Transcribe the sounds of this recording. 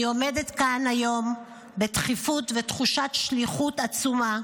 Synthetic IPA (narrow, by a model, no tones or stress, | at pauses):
io̞medetkanajo̞m | betχifutvetχuʃat̪ʃliχutat͡suma